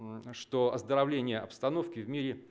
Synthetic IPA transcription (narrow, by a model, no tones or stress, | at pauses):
ʂt̪oɐzd̪əɾɐvlʲenʲɪjəɐpst̪ɐno̞fkʲɪvmʲiɾʲɪ